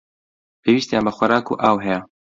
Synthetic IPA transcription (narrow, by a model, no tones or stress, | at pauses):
pʰeːwiːst̪ijambɐxʷɐɾaːkṵːʔaːwɦɛjɛ